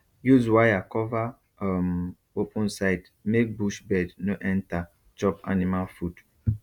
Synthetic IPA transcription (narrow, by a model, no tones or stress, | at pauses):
juzwajakɔva | m | opʰũnsaɪd | mek̚buʃbɛdnoʔɛ̃nta | d͡ʒɔpa̰nimalfud